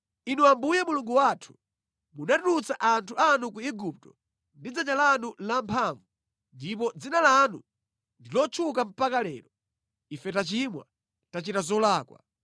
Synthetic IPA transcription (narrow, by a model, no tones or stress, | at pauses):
inuambujɛmuluŋɡuwaːtʰu̥ | munatunut͡saʔantʰuanukuiɡup̚tɔ | ndid͡zaɲalanulampʰaɱvu | ndip̬ɔd͡zinalanu | ndilɔt͡ʃʰukam̩pakalɛ̰ːɾɔ | ifɛtat͡ʃimwa̰ | tat͡ʃitazɔlaːkwa̰